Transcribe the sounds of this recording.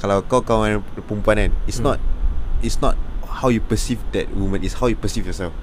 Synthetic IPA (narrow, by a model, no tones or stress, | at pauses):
kalawkɔkãɛ̃npũmpanɛ̃nisnɔt̚itsnɔt̚hawjupəsifdɛ̰t̚wumə̃nitshawjupəsifjɔsɛlf